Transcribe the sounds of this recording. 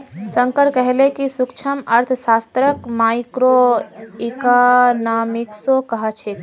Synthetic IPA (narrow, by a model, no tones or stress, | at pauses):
səŋkəɾkəɦelekisukt͡ʃʰəməɾt̪ʰsast̪ɾəkmajkɾoikanamiksokəɦət͡ʃʰe